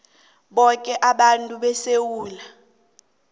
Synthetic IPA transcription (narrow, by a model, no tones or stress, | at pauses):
ɓɔkʼɛʔaɓantʼuɓɛsewuːla